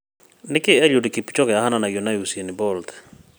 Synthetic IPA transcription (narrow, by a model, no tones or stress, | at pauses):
nɪkɪɛʎodekepi̥t͡ʃɔkɛahananaɡiɔnajusienɪbɔltɛ̥